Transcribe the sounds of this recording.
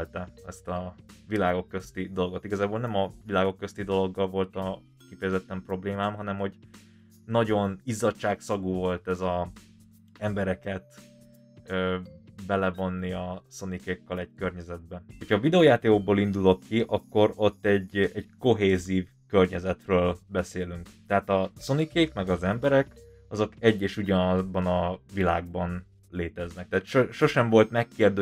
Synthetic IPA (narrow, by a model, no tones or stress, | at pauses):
lt̪ɛɛst̪ɒvilaːɡo̞kːø̞st̪id̪o̞lɡo̞t̪iɡɒzaːboːlnɛmɒvilaːɡo̞kːøst̪id̪o̞lo̞ɡːɒlvo̞lt̪ɒ | kifɛjɛzɛt̪ːɛmpro̞bleːmaːmɦɒnɛmho̞ɟ | nɒɟo̞nizɒt͡ʃaːksɒɡuːvo̞lt̪ɛzɒ | ɛmbɛɾɛkɛt̪ | bɛlɛvo̞nːiɒso̞nikeːkːɛlɛɟkørɲɛzɛd̪̚bɛho̞chɒːvid̪ɛoːjaːt̪eːoɡ̚boːlind̪ulo̞kːiʔɒkːo̞ɾo̞t̪ːɛɟːɛɟko̞ɦeːziːv | kørɲɛzɛt̪røːlbɛseːlyŋkt̪ɛɦaːt̪ɒso̞nikeːkmɛɡɒzɛmbɛɾɛk | ɒzo̞kɛɟːeːʃuɟɒbɒnɒvila̰ːɡ̚bɒn | leːt̪ɛznɛk̚t̪ɛːt̪ʃoʃo̞ʃɛɱvo̞lt̪mɛkːeːrd̪ø